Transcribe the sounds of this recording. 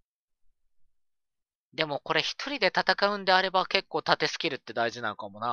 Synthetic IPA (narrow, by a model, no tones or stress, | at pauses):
d̪e̞mo̞ko̞ɾe̞çi̥t̪ʰo̞ɾʲid̪e̞t̪at̪akaɯ̟̃nd̪e̞aɾe̞bake̞kːo̞ːt̪at̪e̞sɨ̥kʲiɾɯ̟t̪ːe̞d̪aiʑinãnokamo̞na